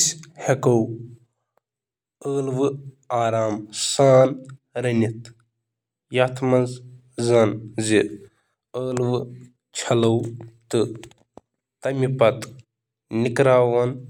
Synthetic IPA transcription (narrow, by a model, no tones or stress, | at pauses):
shɐkɐw | əːlʋɨ | aːɾaːmsaːn | ɾɐnit̪ | jat̪ʰmɐnz | zɐnzi | əːlʋɨ | t͡ʃʰɐlɐwt̪ɨ | t̪ɐmipɐt̪ | nikɾaːʋɐn